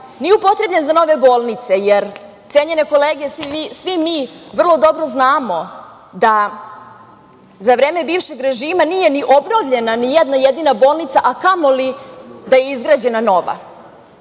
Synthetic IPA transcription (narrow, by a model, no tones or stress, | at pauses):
nijeupo̞t̪ɾe̞blʎenzano̞ʋe̞boːlˠnit̪se̞jeɾ | t̪eːɲene̞ko̞leːɡeesiisʋimiʋr̩lˠo̞d̪o̞bɾo̞znaːmo̞ | d̪a | zaʋɾeːme̞biːvʃeɡɾe̞ʒiːmanijeniʔobnoʋʎe̞nanijɛd̪najed̪inabo̞ːlˠnit̪saʔakamolid̪ajeizɡɾaːd͡ʑe̞nano̞ʋa̰